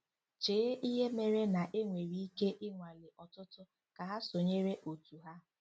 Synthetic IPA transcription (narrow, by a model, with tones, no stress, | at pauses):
t͡ʃeː˨˦ʔi˦ɦe˦me˨ɾe˦na˨ʔe˦ŋʷe˨ɾi˦i˦ke˦ʔɪ˦ŋʷa˨lɪ˨ʔɔ˨tʊ˦tʊ˦ | ka˨ɦa˦so˨ɲe˦ɾe˦ʔo˨tu˨ɦa˦